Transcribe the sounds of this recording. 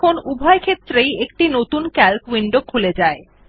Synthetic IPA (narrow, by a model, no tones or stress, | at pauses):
onubʱɔekʰet̪ːɾejek̚ʈinot̪unkɛlkwiɳɖokʰuled͡ʑae